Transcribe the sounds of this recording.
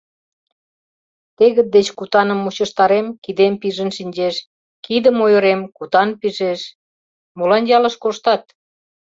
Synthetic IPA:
t̪eɣə̆t̪̚d̪et͡ɕkut̪ɑnə̆mːut͡ɕə̆ʃt̪ɑɾemkid̪empiʒə̆nʃinʲd͡ʑeʃ | kid̪ə̆mojŏɾemkut̪ɑnpiʒeʃ | molɑnjɑlə̆ʃkoʃt̪ɑt̪̚

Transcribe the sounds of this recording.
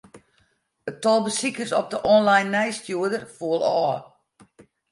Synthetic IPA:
ətɔlˠbəsikərsɔp̚dəʔɔnlajnːɛjstjuədərfuəlˠɔː

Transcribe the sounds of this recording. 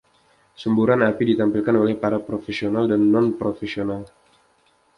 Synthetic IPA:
səmbuɾanapidit̪ampilkanolɛhpaɾapɾofesionaldanːɔnpɾofesional

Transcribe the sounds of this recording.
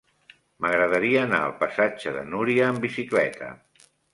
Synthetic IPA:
məɣɾəðəɾiəːna̰ə̰lˠpəsad͡ʒəðə̰nuɾiəːmbisiklɛt̪ʰə̰

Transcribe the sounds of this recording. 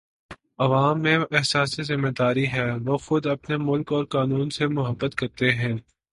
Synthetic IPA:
ɐʋaːmːẽɛɦsaːsizɪmːed̪aːɾiɦɛːʋoːxʊd̪ɐpnemʊlkɔːɾkaːnuːnsemʊɦəbːət̪kɐɾt̪eɦɛ̃ː

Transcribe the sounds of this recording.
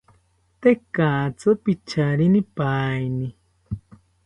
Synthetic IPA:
t̪ekat͡sɨpit͡ʃʰaɾinipajni

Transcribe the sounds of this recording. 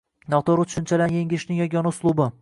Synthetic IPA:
nɒt̪oɾʊt̪ʰʊ̥ʃʊnt͡ʃʰalanjeŋʲɪɪʃnɪŋjɒɡʲɒnaʊslˠʊbɪ

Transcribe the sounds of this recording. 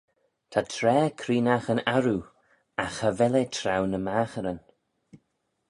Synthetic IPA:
tʰatʰɾɛːkʰɾiːnaxənaɾu | axhavɛletʰɾawnəmaːxəɾən

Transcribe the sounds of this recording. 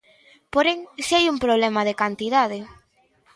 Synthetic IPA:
poɾeŋsiajumpɾoβ̞lemaðekant̪iðað̞ɪ

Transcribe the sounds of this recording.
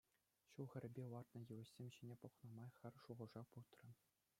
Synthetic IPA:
ɕulˠxʲɘ̆ɾʲɘ̆bʲewɑrt̪nɤ̆jɯ̆ʋɘ̆ɕsʲemʲɕinʲepŏχnɑ̆mɑjχʲɘ̆rʲʂuʁɤ̆ʐɑput̪rɤ̆

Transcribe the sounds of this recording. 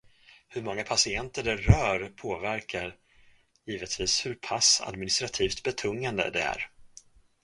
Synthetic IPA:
hɵɾmɔŋːapʰasɪɛnt̪əɖɛɾœːɾpʰoːvæɾkʰaɾ | jiːvət̪viːshɵɾpʰasa̰d̪mɪnɪst̪ɾat̪ʰiːft̪bɛt̪ʰɵŋːand̪ə̰d̪ɛ̰æ̰ɾ

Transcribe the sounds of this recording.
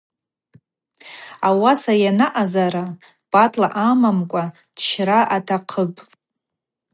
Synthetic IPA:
awasajanaʔazaɾa | b̥ʼatʼlaʔamamkʷʼa | d̥ʃraʔatʰaqʰəpʼ

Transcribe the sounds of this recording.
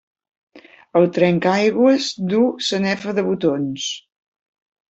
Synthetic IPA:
əlˠt̪ɾɛŋkajɣwəzd̪usənɛfəðəβut̪ons

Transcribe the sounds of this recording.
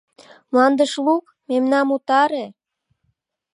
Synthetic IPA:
mlɑnd̪əʃluk | memnɑmut̪ɑɾe

